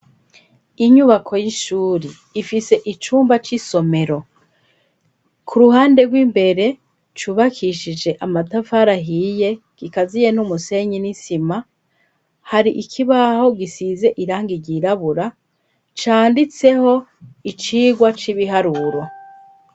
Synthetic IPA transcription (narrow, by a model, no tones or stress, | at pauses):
iɲuβakʰo̞jiʃuːɾiː | fise̞ʔit͡ʃuːmbat͡ʃiso̞me̞ɾo̞ | kʰuɾuɦaːnde̞ɡwiːmbe̞ɾe̞ | t͡ʃuβakʰiʃid͡ʒe̞ʔamatafaɾaɦije̞ | ɡ̥ikazije̞numuse̞ɲinisima | haɾiʔikʰiβaho̞ɡisize̞ʔiɾaːŋɡiɟiɾaβuɾa | t͡ʃaːndit͡se̞ho̞it͡ʃiːɡwat͡ʃiβiɦaɾuɾwa